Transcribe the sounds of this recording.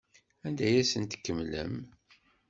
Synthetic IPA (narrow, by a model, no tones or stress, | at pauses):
ænd̪æjæsənt̪ə̥kːəmlə̰m